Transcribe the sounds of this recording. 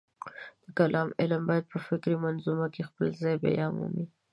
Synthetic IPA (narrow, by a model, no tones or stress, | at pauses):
d̪̥əkalʔɑmɪlmbɑjad̪̚pəfɪkɾimanzumakexpəlzɑjba̰jɑmṵmi